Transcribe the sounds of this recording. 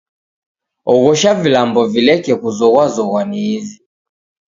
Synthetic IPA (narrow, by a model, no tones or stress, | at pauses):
ɔɣɔʃavilambɔvilɛkɛkuzɔɣwazɔɣwaniːzi